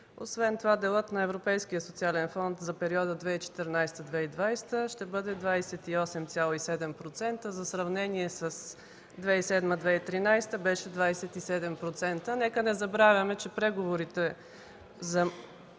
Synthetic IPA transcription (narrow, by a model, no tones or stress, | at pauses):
o̰svɛnt̪ovad̪ɛlˠɤt̪nɐɛvɾopɛjsk̟ijəsot̪sialɛnfɔnt̪zɐpɛɾiɔd̪əd̪vɛit͡ʃɛ̥t̪əɾnajst̪əd̪vɛid̪vajst̪əʃt̪ɛbɤd̪ɛd̪vajsɛt̪iɔsɛmt̪sʲjalˠoisɛd̪ɛmpɾot̪sɛnt̪əzɐsɾɐvnɛniɛsəs | d̪vɛisɛd̪məd̪vɛit̪ɾinajst̪əbɛʃɛd̪vajsɛt̪isɛd̪ɛmpɾot̪sɛnt̪ənɛkənɛzɐbɾavʲɐmɛt͡ʃɛpɾɛɡovoɾit̪ɛ | zɐ